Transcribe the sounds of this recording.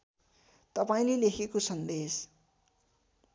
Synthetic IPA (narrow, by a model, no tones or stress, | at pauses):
t̪ʌpaĩlelekʰekosʌnd̪es